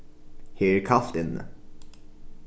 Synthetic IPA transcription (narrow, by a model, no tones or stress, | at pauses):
heːɾkʰɑft̪ɪnːə̰